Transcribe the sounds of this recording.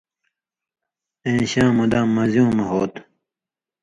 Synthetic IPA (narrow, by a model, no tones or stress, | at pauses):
ẽːɕãːmud̪ãːmɐzjũːmɐɦoːt̪